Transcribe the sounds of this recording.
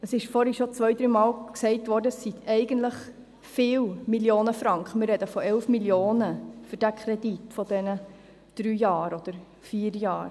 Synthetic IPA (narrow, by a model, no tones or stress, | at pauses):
əsɪʃfɔːɾhiʃɔt͡sʋœjdɾyːmɑːlksɛɪtʋɔːɾdəssit̪ʰɛɪɡəntləχ | fɪːlmiljoːnəfɾɑŋkχəmɪrːɛdəfɔɛlfmiljoːnəfyɾd̥ækʰχɾɛditfɔdɛnə | d̥ɾyːjɑːɾɔd̪̥əɾ | fiːəɾjɑːɾ